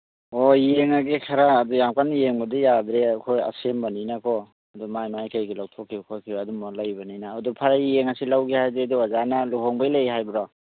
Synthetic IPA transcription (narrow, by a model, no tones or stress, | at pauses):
ɔijeŋaɡikʰaɾaːdujamkanjeŋbɐdijad̪ɾeakʰoja̰sembɐninakʰɔ | ɐdumajmajkajɡilawtʰɔkʰːikʰɔkʰiadumɔlajbɐnijnaːdupʰaɾajeŋasilawɡihajdɾeduazanaluɦɔŋbajlajɦajbɾɔ